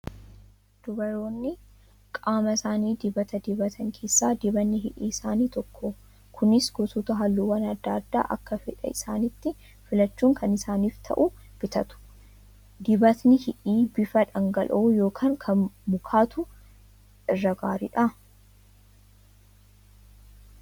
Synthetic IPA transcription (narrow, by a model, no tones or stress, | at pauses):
d̪̥ʊbɐɾo̞ːnːɪ | kʼaːmɐsaːniːd̪ɪbɐt̪ɐd̪ɪbɐt̪ʰɐŋkʰe̞ːsːaːd̪ɪbɐnːɪɦɪʔḭːɪsaːniːt̪ɔkːo | kʰʊnɪsɡɔt̪uːt̪ɐɦɐlːuːwɐnɐd̪ːaːd̪ːa̰ːʔɐkːɐfɪᶑɐ̰ɪsaːnɪt̪ːɪ | fɪlɐt͡ʃːuːŋkʰɐnɪsaːniːft̪ʰɐ̰ʔʊ | b̥ɪt̪ɐt̪ʊ̥ | d̪ɪbɐt̪nɪhɪᶑiːbɪfɐᶑɐŋɡɐlʔuːjo̞ːkʰaːŋkʰɐnmʊkʰaːt̪ʊ | ɪrːɐɡaːɾɪᶑɐ